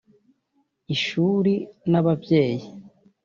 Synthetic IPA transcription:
iʃuɾinaβabɟe̞ːji

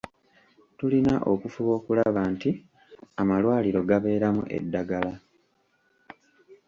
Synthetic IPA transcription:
tulinaʔokufuβo̞ːkulaβaːnti | amalwaːliɾo̞ɡaβe̞ːɾamṵʔe̞̰dːaɡala

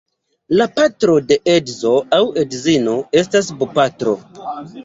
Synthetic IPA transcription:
lapatɾo̞de̞ʔedzo̞awedzino̞e̞stas̬bupatɾo̞̰

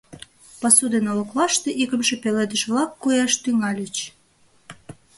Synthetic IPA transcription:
pɑsud̪enolŏklɑʃt̪ĕʔikə̆mʃepeled̪əʃβlɑkːojɑʃt̪yŋɑlʲət͡ɕ

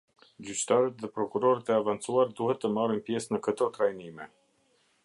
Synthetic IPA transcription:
d͡ʑyt͡ɕt̪aɾət̪ðɛpɾɔkuɾɔɾət̪ɛavant͡suaɾd̪uhɛt̪ːəmarinpjɛsnəkət̪ɔt̪ɾajnimɛ

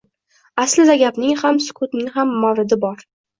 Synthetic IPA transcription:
aslɪd̪aɡʲapnɪŋhamsʊ̥kʰʊt̪nɪŋɦamːɒwɾɪd̪ɪbɒɾ

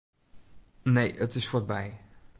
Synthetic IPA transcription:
nejʔətɪsfɔɹ̚bɛj

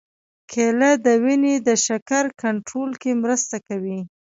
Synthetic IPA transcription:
kʰelad̪əwined̪əʃakaɾkaɳʈɾolkemɾəst̪akawi

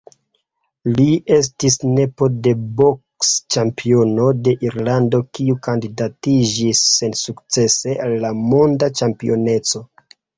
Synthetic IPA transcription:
lie̞s̬tisne̞po̞de̞bo̞kst͡ʃampʰio̞no̞de̞ʔiɾlando̞kiukandidatid͡ʒisːe̞nsukt͡se̞se̞ʔalːamondat͡ʃampḭo̞ne̞t͡so̞

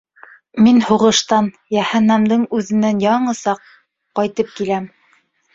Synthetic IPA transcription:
minhuʁɤ̆ʃt̪ɑn | jæhænːæmd̪ɤɴʉðɘ̆nːænjɑɴɤsɑqː | ɑjt̪ɤp̚kilæm

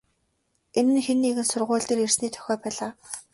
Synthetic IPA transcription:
enɘ̆nxenːiɣɘ̆nsʊrʁʊːɮt̪iːrer̥sniːt̪ʰœ̥xʲɔːpæːɮaː

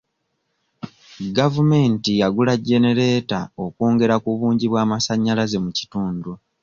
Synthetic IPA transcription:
ɡavume̞ːntijaɡulaɟːe̞ne̞ɾe̞ːtao̞koːŋɡe̞ɾakuβuːɲɟiβwaːmasaɲːalaze̞muci̥tuːndu

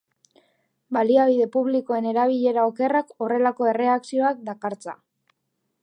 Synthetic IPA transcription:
baliaβ̞iðe̞puβliko̞e̞ne̞ɾaβ̞iʎe̞ɾao̞ke̞rako̞re̞lako̞e̞re̞aksio̞ak̚d̪akaɾt͡sa̰

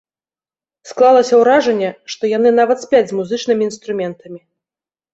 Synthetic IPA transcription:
sklˠalˠɐsʲɐwɾaʐɛnʲːɛʂt̪ɔjanɨnavɐt̪sʲpʲad͡zʲzmuzɨt͡ʂnɨmʲiːn̪st̪ɾumʲɛnt̪ɐmʲi

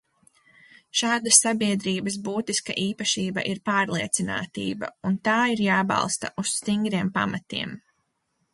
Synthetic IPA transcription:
ʃaːd̪asːabiɛd̪ɾiːbəs̬buːt̪iska̰ʔiːpɐʃiːbɐ̰ʔiɾpaːɾlˠiɛt̪sina̰ːt̪ḭːbɐ̰unt̪aːiɾjaːbɑ̰lˠst̪ɐ̰ʔusst̪iŋɡɾiɛmpa̰mat̪ḭɛm

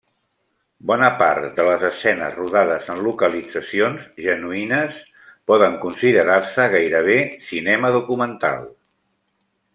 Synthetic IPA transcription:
bɔnəpaɾt̪d̪ələzəsɛnə̰zruðaðəzənlukəlid͡zəsionzʒənuinəs | pɔðəŋkunsiðəɾaɾsəɣ̞ajɾəβ̞esinɛməðukumənt̪a̰lˠ

